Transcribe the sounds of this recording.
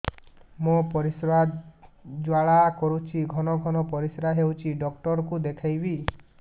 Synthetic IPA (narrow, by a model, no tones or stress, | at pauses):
mopɔɾisɾad̪d͡ʒwaɭakɔɾut͡ʃʰiɡʱɔnɔɡʱɔnɔpɔɾisɾaɦewt͡ʃʰiɖɔkʈɔɾɔkud̪ekʰajbi